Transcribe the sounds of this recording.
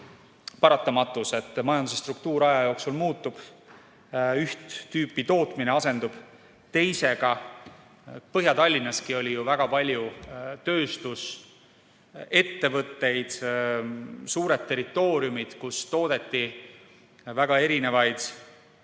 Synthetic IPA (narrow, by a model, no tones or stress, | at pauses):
pɑɾɑt̪ːˑɑmɑt̪ːˑuse̞t̪ːˑmɑjɑld̪usest̪rukt̪uːɾɑjɑjo̞ːksulmuːt̪ːˑub̥ | yht̪ːyːpːit̪o̞ːt̪ˑmine̞ɑse̞nd̪̥ub̥ | t̪e̞jse̞ɡ̥ɑ | pɤɦjɑt̪ɑlʲːinːɑskio̞lʲijuvæɡ̥ɑpɑlʲjut̪ø̞ːst̪us | e̞t̪ːe̞vɤt̪ːe̞jd̪̥ | suːɾe̞d̪̥̚t̪ːe̞ɾit̪ːˑo̞ːɾiumid̪̥kust̪o̞ːd̪̥e̞t̪ˑːi | væɡ̥ɑe̞ɾine̞vɑjd̪̥